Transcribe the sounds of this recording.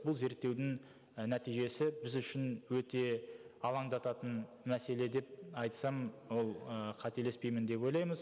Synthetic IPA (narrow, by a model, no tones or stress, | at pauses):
bʊlˠze̞ɾt̪ːe̞wd̪ɪŋ | næt̪ijʒe̞sɪbɪzʏʃɪnwɵt̪e̞ɑlˠɑŋd̪ɑt̪ɑt̪ən | mæse̞le̞d̪e̞p̚ɑjt̪sɑmwo̞lˠəqʰɑt̪ʰe̞le̞spe̞jmɪnd̪e̞pwo̞jlˠɑjməz